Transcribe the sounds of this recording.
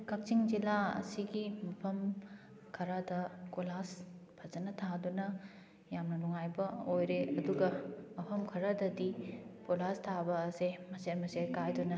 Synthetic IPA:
kʰɐk̚t͡ʃiŋd͡ʒilaɐ̰siɡimɐpʰɐm | kʰɐɾadɐkolaspʰɐzɐnɐtʰadunɐ | jamnɐnuŋajbɐojɾeɐduɡɐmɐpʰɐmkʰɐɾadɐdikolastʰabɐːsemɐseɾmɐseɾkajdunɐ

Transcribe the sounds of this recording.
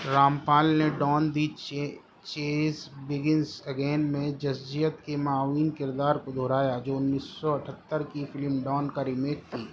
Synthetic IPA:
ɾaːmpaːlneɖɔːnd̪it͡ʃe | t͡ʃeːsbɪɡɪnsəɡeːnmẽd͡ʒɐsd͡ʒijət̪kemaːwiːnkɪɾd̪aːɾkod̪ʱoːɾaːjad͡ʒoːʊnːiːsːɔɐʈʰət̪ːəɾkifɪlmɖɔːnkaɾɪmeːkt̪ʰiː

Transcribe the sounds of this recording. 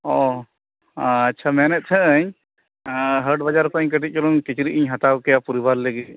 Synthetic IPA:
ɔ | tːt͡ʃʰamɛnɛt̪̚ˀt̪ʰəʔəɲ | ɦəɾɖbad͡ʒaɾkɔəɲk̬əʈ̬it̪̚ˀt͡ʃɔlunkit͡ʃɾiʔiɲɦat̪awkɛjapuɾibaɾləɡi

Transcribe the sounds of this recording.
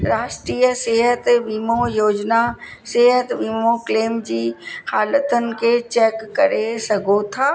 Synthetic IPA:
ɾaːʃʈɾiːjəseːɦət̪ʋiːmojoːd͡ʒna | seːɦət̪ʋiːmokleːmd͡ʒiːhaːlət̪ənket͡ʃɛːkːəɾesɐɡot̪ʰaː

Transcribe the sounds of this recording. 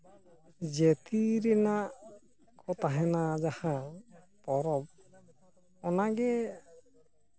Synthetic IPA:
d͡ʒet̪iɾɛnaʔ | kɔt̪aɦɛnad͡ʒahã | pɔɾɔb̚ | ɔnaɡɛ

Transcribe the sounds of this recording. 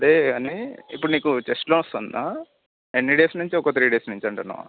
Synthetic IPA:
ɐd̪eːaːniḭpːuɽuniːkut͡ʃesʈloːust̪ond̪a | enːiɖeːsnuɲt͡ʃiɔkot̪ɾiːɖeːsnuɲt͡ʃɐɳʈɐnːɐ̰ʋa̰

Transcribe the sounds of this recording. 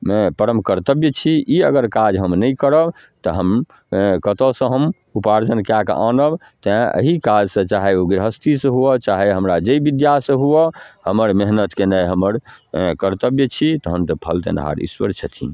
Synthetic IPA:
epəɾəmkəɾt̪əbjət͡ʃʰiiəɡəɾkad͡ʒɦəmnəikəɾəb | t̪ɔɦəm | kət̪əsə̃ɦəm | upaɾd͡ʒənkakʔã̰nəb | t̪ãʔə̰ɦikad͡ʒsə̃t͡ʃaɦeoɡɾɦəst̪ʰisə̃ɦuət͡ʃaɦeɦəmɾad͡ʒeibid̪jasə̃ɦuɔhəməɾmeɦnət̪kenəjɦəməɾkəɾt̪əbjət͡ʃʰit̪ɔɦəmt̪əpʰəlt̪ḛ̃nɦa̰ɾḭswə̰ɾt͡ʃʰət̪ʰḭ̃

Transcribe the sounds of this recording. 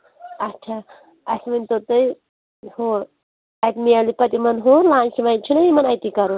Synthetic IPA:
ɐt͡ʃʰaː | ɐsmɐnʲt̪ot̪ɨj | hoɾ | ɐjt̪mialipɐt̪imɐnɦoːɾlaːnt͡ʃʰimat͡ʃʰunɐjimɐnɐjt̪ikɐɾu

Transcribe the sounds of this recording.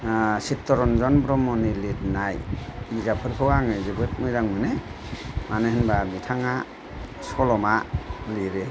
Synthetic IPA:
sitɔɾɔnzɔnbɾɔmɔnilitnajiɡapʰɯɾpʰɯwaŋɯzɯbɯt̚mɯzaŋmɯne | manɯhɯnbabitʰaŋa | sɔlɔmaliɾe

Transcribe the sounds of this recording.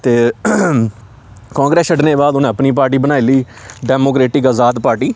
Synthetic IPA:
t̪eː | kãːŋɡɾeːsəɖneːbaːd̪ʊnẽːəpniːp̬aːɾʈiːbənaːiliː | ɖɛːmoːkɾeːʈɪkazaːd̪paːɾʈiː

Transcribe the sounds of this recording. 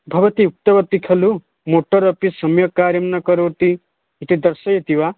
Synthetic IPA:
bʱɐbɐt̪iuk̚t̪ɐbɐt̪ikʰɐlu | moʈɔɾɔpisɐmjɔkaːɾjɐmnɐkɔɾoʈ̪i | iʈid̪ɐɾsɐjet̪iwa

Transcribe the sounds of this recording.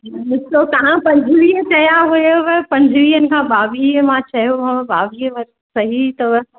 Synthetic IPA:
mɪsot̪ɐɦãpɐ̃ɲd͡ʑʱɪʋiːɦət͡ɕɐjaɦujoʋɛpɐ̃ɲd͡ʑʱʋiːɦənɪ̆kʰãːbaːʋimãt͡ɕɐɦijoɦɐbaːʋiːəʋɐɾ | sɐɦit̪ɐʋ

